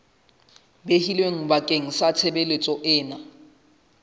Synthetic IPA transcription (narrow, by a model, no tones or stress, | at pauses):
behilweŋ̩bakʼeŋ̩sat͡sʰebelet͡sʼɔʔɪːna